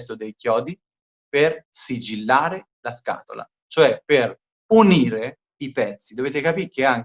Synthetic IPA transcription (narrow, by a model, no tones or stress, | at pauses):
st̪od̪ejkjɔːd̪i | persid͡ʒilːaːɾe | laska̰ːt̪o̰la̰ | t͡ʃoɛper | uniːɾe | ipɛt̪sːid̪oveːt̪ekapiːk̟eaŋ